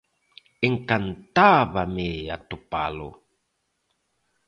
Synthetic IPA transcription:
iŋkant̪aβamejat̪upa̰lo̰

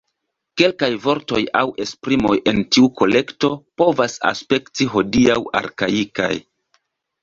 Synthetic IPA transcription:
ke̞lkajvo̞ɾto̞jawʔe̞spɾimo̞jʔe̞ntiuko̞le̞kto̞po̞vasa̰spe̞ktiɦo̞diawa̰ɾkaika̰j

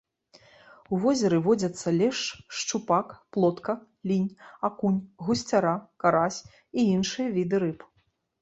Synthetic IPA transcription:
uvɔzʲɛɾɨvɔd͡zʲɐt̪sːɐlʲɛʂʂt͡ʂupakplˠɔt̪kɐ | lʲinʲakunʲɣusʲt͡sʲaɾakaɾasʲ | iinʂɨjɐvʲid̪ɨɾɨp

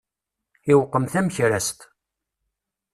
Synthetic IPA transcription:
ɪwqːəmθæmçɾæst̪

